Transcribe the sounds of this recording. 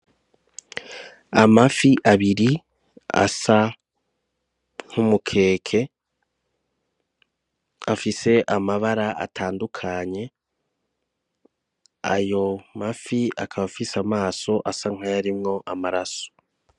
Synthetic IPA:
amafiʔaβiɾi | a̰sa | ŋ̥humukʰe̞ːkʰe̞ | afise̞ʔamaβaɾaa̰tʰaːndukʰaɲe̞ | a̰jo̞mafiakʰaβafisamaːso̞ʔasaŋ̥hajaɾimŋo̞ʔamaɾaso̥

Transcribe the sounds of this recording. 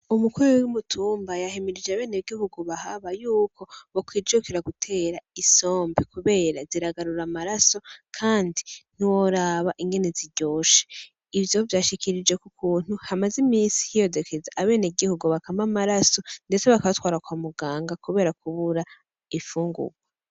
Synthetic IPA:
umukuɾwumutʰuːmbajahemiɾid͡ʒeaβe̞ːneɡihuɡuβahaβajuːkʰo̞βokwiːd͡ʒokeɾaɡutʰe̞ːɾaiso̞ːmbikuβe̞ːɾaziɾaɡaɾuɾamaɾaso̞kʰaːndin̥iwoɾaːβaʔiŋɡe̞neziɟo̞ːʃe̥ | ivjovjaːʃikʰiɾid͡ʒwe̞kukuːn̥huhamazimiːnsi̥hijo̞dekʰezaʔaβe̞ːneɡihuɡuβakamamaɾaso̞nde̞t͡se̞βakaβatwaːɾakwaːmuɡaːŋɡakuβe̞ːɾakuβuɾa | ifuːŋɡṵɡwe

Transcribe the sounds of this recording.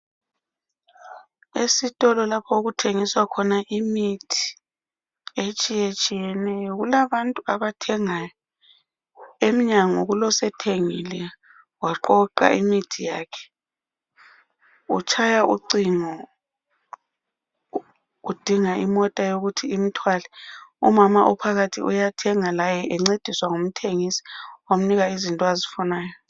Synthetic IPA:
esitʼɔlɔlapʰɔuɣutʰeŋiswakʰɔnaʔimitʰi̥ | et͡ʃʼijet͡ʃʼijɛnɛjɔɣulaβantʼuaβatʰɛŋaj | emiɲaŋɔɣulɔsɛtʰeŋilɛ | waǃɔǃa̰imitʰijaːkʰɛ̥ | ṵt͡ʃʰajaʔṵǀiŋɔ | ud̥ʱiŋaʔimɔtʼajoɣutʰiim̩tʰwalɛṵmamaʔɔpʰaɣatʰḭʔujatʰɛŋalajɛʔɛŋ͡ǀed̥ʱiswaŋum̩tʰeŋisi̥am̩niɣaizintʼɔazifɔnaːjɔ

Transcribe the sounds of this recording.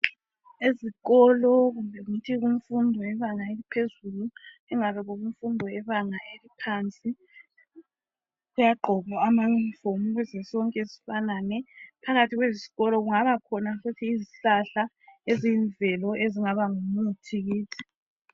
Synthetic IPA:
eziɣɔlɔɣumbʱɛitʰiɣum̩fundʱɔɛβaŋaelipʰezulu | ɛŋarɛβɔɣum̩fundʱɔɛβaŋaʔelipʰant͡sʼi | ɣujaɡ͡ǃʱɔβɔamanfomuɣɛzɛsɔŋkʼɛsi̥fananɛpʰaɣatʰiɣwezi̥ɣɔlɔɣuŋaβakʰɔnafutʰiːziɬaɬa | eziɱvʱɛlɔʔeziŋaβaŋumutʰiɣiːtʰi̥

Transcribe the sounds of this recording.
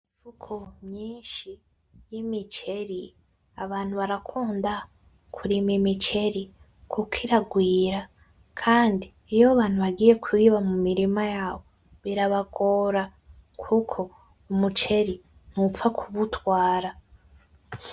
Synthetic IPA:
ivukʰomɲiːnʃi | jimit͡ʃe̞ɾi | aβaːn̥huβaɾakʰuːnda | kʰuɾimimit͡ʃe̞ɾi | kʰukʰiɾaɡwiːɾa | kʰaːndiːjoβaːn̥huβaɡiːje̞kʰiβamumiɾimajaːβo̞ | βiɾaβaɡoːɾa | kʰukʰo̞ | umut͡ʃe̞ɾi | nufakʰuβutwaːɾa

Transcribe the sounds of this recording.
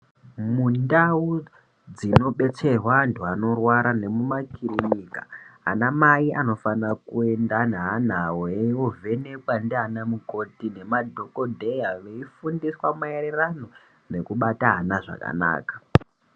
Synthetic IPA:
mundau | d͡zino̞ɓe̞t͡se̞rwantʰuano̞rwaɾane̞mumakirinika̰a̰namaiano̞fanakue̞ndanɦanawoeovʱe̞ne̞kwandeɦanamuko̞tine̞madʱoko̞dʱejaʋe̞ifundiswamaeɾerano̞ | ne̞kuɓataɦanaʐa̰ka̰na̰ːkḁ

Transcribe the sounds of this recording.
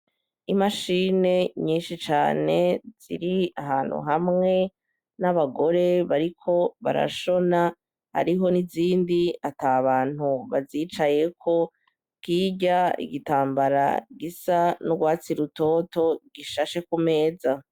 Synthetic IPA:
imaʃiːne̞ɲiːnʃit͡ʃa̰ːne̞z̥ḭɾiaɦaːn̥hṵɦamŋe̞ | naβaɡo̞ɾe̞βaɾikʰo̞βa̰ɾa̰ʃo̞na | ha̰ɾiɦo̞niziːndiataβaːn̥huβaziːt͡ʃaje̞kʰo̞ | kiːɟaḭɡitaːmbaɾa̰ɡisanuɡwaːt͡siɾuto̞ːto̞ɡiʃaʃe̞kume̞ːza

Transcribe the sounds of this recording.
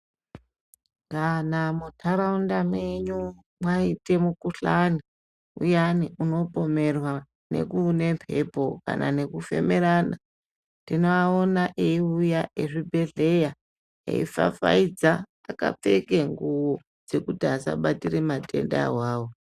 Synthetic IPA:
kanamutʰaɾaundamwe̞ɲu | mwaite̞mukuɬani | ṵjaniʔuno̞po̞me̞rwa | ne̞̰kune̞mpʰe̞po̞ka̰nʔa̰ne̞kufe̞̰meɾana | tinoaonaʔeiujaʔeʐibʱe̞ɮe̞ja | ḛḭfa̰fa̰id͡zaː | ka̰p͡fe̞keŋɡuwo̞ | d͡ze̞kutiasa̰ɓatiremate̞̰nda̰ɦwaːwo

